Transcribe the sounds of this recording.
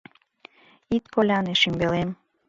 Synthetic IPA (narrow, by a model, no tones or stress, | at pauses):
it̪kolʲɑneʃimbelem